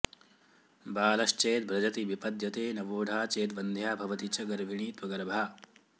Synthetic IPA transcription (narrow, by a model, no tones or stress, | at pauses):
baːlɐʃt͡ʃeːt̪̚bʱɾɐd͡ʒɐt̪iʋipɐd̪jɐt̪eːnɐʋoːɖʱaːt͡ʃeːt̪ʋɐnd̪ʱjaːbʱɐʋɐt̪it͡ʃɐɡɐɾʋiɳiːt̪ʋɐɡɐɾɐbʱaː